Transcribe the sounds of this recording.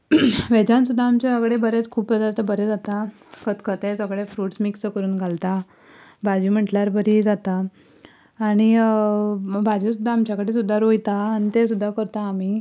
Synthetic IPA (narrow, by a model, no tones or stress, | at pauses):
ʋed͡ʑãnsud̪ʱːaːmt͡ɕeəɡɽebəɾet͡skʰuːpːəd̪aɾt̪əbəɾed͡zat̪a | kʰət̪kʰət̪esəɡɽefɾuːʈsmiksəkəɾuːnɡʱalt̪a | bad͡ʑim̤əʈljaɾbəɾid͡zat̪aː | ɽ̃i | bad͡ʑisud̪ʱːaːmt͡ɕjakəɽiːsud̪ʱːaɾojt̪aːnit̪esud̪ʱːakəɾt̪aːmiː